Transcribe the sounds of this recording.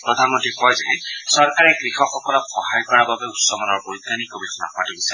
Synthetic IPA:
pɹɔdʱanmɔntɹikɔjzaɦɛsɔɹkaɹɛɡɹixɔxɔkɔlɔpxɔhajkɔɹababɛutsɔmɔnɔɹbojd̪anikobitʰɔna̰padibisa

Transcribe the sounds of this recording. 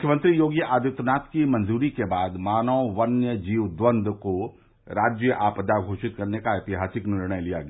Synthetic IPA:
mʊkʰːjəmə̃nt̪ɾijoːɡjəʔaːd̪ɪt̪ənaːt̪kimɐ̃nd͡ʒuːɾikebaːd̪maːnəwːɐnjəd͡ʒiːʋd̪ʋə̃nd̪ʱko | ɾaːd͡ʒjəʔaːpəd̪aːɡʱoːʃɪt̪̚kɐɾnekaɐt̪ɪɦaːsɪknɪɾɳ̃əjlija̰ɡɐ

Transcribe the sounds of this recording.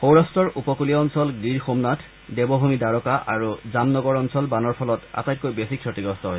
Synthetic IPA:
xowɹastɔɹʔupɔkuliaɔnsɔlɡiɹxomnatʰ | dɛbɔbʱumidaɹɔkaʔaɹuzamnɔɡɔɹɔnsɔlbanɔɹpʰɔlɔta̰taj̚kːojbesikʰːɔtiɡɹɔstɔɦoj

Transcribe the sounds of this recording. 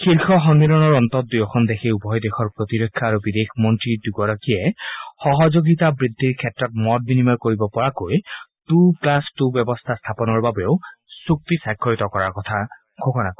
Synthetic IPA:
kʰiɾkʰɔɦɔnmilɔnɔɹɔnt̪ɔt̚d̪ujɔkʰɔnd̪ekʰeubɔjd̪exʰɔɹpɹɔt̪iɾɔkʰːjɔaɾubid̪ekʰmɔntɹiduɡɔɾɔkiexɔɦɔd͡ʒoɡit̪abɹid̪ʱːiɹkʰetːɔt̚mɔt̚binimaɹkoɹibɔpɔɹakojt̪uklastubjɔbɔst̪ʰast̪ʰapɔnɔɹbabeosuk̚t̪isajkʰːɔɹit̪ɔkɔɹaɹkɔt̪ʰa | ɡʰʱokɔnak

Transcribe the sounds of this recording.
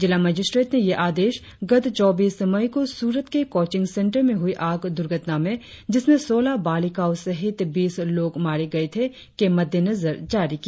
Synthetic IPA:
d͡ʒɪlaməːd͡ʒɪsʈɾeːʈnejeʔaːd̪eːʃ | ɡɐd̪t͡ʃɔːbiːsɐmaikosuːɾət̪kekɔːt͡ʃɪ̃ŋɡsɛ̃ɳʈəɾmẽɦʊiʔaːɡd̪ʊɾɡʱət̪namẽ | d͡ʒɪsmẽsoːlabaːlikaʊsɐɦɪt̪biːsloːɡmaːɾeɡɐet̪ʰe | kemɐd̪ʱjenɐzəɾd͡ʒaːɾiki

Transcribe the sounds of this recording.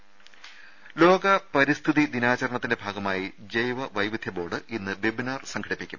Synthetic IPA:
lo̞ːɡɐpɐɾist̪ʰiðid̪inaːt͡ɕɐɾɳɐt̪ːinde̞bʱaːɡɐmaːjid͡ʑejʋɐʋɐjʋid̪ʱjɐbo̞ːɽɨʔinːɨbebinaːrsɐŋɡʰɐɽipːikʲːṵm

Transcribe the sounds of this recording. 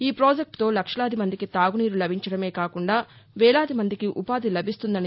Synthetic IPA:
iːpɾoːd͡ʒek̚ʈt̪o̞ːlɐkʂɐɭaːd̪imɐnd̪ikit̪aːɡuniːɾulɐbʱiɲt͡ʃɐɽɐme̞ːkaːkuɳɖaː | ʋɛːɭaːd̪imɐnd̪ikiʔupaːd̪ilɐbʱist̪und̪ɐni

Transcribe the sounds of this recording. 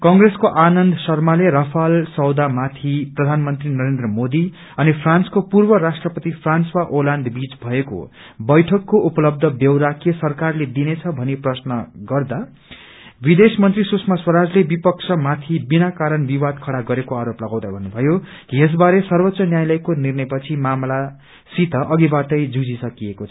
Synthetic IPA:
kʌŋɡreskoʔanʌnd̪sʌrmaleɾʌpʰalsʌwd̪amat̪ʰiprʌd̪ʱanmʌnt̪rinʌɾend̪rʌmod̪i | ʌnipʰranskopurbʌɾasʈrʌpʌt̪ipʰranswaʔoland̪bid͡zbʱʌeko̰ | bʌjʈʰʌkːoʔupʌlʌb̚d̪ʱʌbjʌwɾakijʌsʌrkarled̪inet͡sʰʌbʱʌneprʌsnʌɡʌrd̪a | bid̪esmʌnt̪risusʰmaswʌɾad͡zlebipʌk̚t͡sʰʌmat̪ʰibinakaɾʌnbiwad̪̚kʰʌɽaɡʌɾekoaɾoplʌɡaw̃d̪abʱʌnːubʱʌjokies̬baɾesʌrbʌt̪sʌnjajlʌjkonirnʌjpʌt͡sʰimamla | sit̪ʌʔʌɡibaʈʌjd͡zud͡zisʌkiekot͡sʰʌ

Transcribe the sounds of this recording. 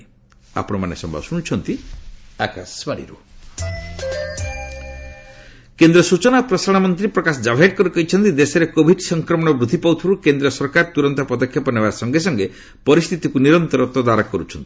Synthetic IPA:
a̰pɔɽ̃ɔmanesɔmbʱa̰ɔsuɽ̃t͡ʃʰɔnt̪ia̰ka̰sbaɽḭɾu | kend̪ɾɔsut͡ʃɔnapɾɔsaɽ̃amɔnt̪ɾipɾɔkasɔd͡ʒabʱeʈ̚kɔɾukɔɦit͡ʃʰɔnt̪id̪esɔɾekobʱiɖsɔŋkɾɔmɔɽ̃ɔbɾud̪ʱːipawt̪ʰɔɾukend̪ɾɔsɔɾkaɾt̪uɾɔnt̪ɔpɔd̪ɔkʰːjɔpɔnebaɾsɔŋɡes̬ɔŋɡe | pɔɾist̪ʰit̪ikuniɾɔnt̪ɔɾɔt̪ɔd̪aɾɔkɔɾut͡ʃʰɔnt̪i̥

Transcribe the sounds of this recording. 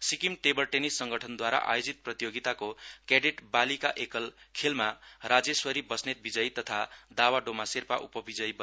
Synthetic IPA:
sikimʈebʌrʈenisːʌŋɡʌʈʰʌnd̪waɾa̰ʔa̰jod͡zit̪̚prʌt̪ijoɡit̪akokeɖeʈbalikaʔekʌlkʰelmarad͡zeswʌɾibʌsnet̪̚bid͡zʌjt̪ʌt̪ʰad̪awaɖomaserpaʔupʌbid͡zʌjb

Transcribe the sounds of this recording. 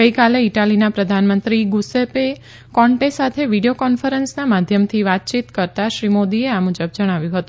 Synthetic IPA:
əikaleiʈalinapɾəd̪ʱanmənt̪ɾiɡusepe | kɔɳʈesat̪ʰeʋiɽijokɔnfəɾənsnamad̪ʱjəmt̪ʰiʋat̪̚t͡ʃit̪kəɾt̪aʃɾimod̪ieamud͡ʒəbd͡ʒəɽ̃aʋjũɦət̪ũ

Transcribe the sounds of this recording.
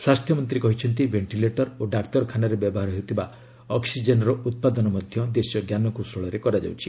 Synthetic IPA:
swast̪ʰjɔmɔnt̪ɾikɔɦit͡ʃʰɔnt̪ibeɳʈileʈɔɾoɖakt̪ɔɾɔkʰanaɾebjɔbɔɦaɾɔɦet̪ʰiba | ɔksid͡ʒenɔɾɔʔut̪̚pad̪ɔnɔmɔd̪ʱjɔd̪esjɔɡjanɔkusɔɭɔɾekɔɾad͡ʒa̰wt͡ʃʰi

